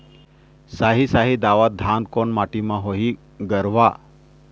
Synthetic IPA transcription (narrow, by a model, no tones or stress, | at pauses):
saɦisaɦid̪aʋat̪̚d̪ʱankoɳmaʈimãɦoɦi | ɡəɾʋa